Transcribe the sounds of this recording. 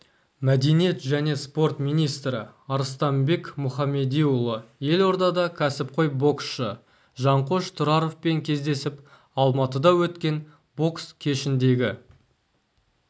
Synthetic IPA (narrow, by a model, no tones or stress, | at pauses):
mæd̪e̞nije̞t̪ʒæne̞spo̞rt̪mijnijst̪ɾɪ̰ɑɾəst̪ɑmbe̞kmʊχɑme̞d̪ijʊlˠəje̞lo̞ɾd̪ɑd̪ɑkʲʰæsɪp̚qʰo̞jbo̞ksʃə | ʒɑɴqo̞ʃt̪ʰʊɾɑɾofpe̞ŋkʲʰe̞zd̪e̞sɪp | ɑlˠmɑt̪əd̪ɑwɵt̪kʲe̞n | bo̞kskʲʰe̞ʃɪnd̪e̞ɡʲɪ